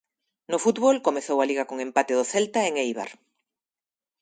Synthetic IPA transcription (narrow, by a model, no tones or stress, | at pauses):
nʊfut̪βolkomeθowaliɣakoŋẽmpat̪eðoθelt̪aeŋejβ̞a̰ɾ